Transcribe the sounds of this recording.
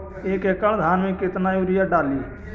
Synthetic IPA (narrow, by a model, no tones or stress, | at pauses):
eːkekəɳd̪ʱaːnmẽkɪt̪naːjuːɾɪjaɖaːliː